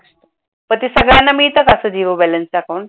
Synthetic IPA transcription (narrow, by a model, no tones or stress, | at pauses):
pət̪isəɡɭjanːamiːt̪əkəsəd͡ʑiʋəbɛlənst͡ɕakən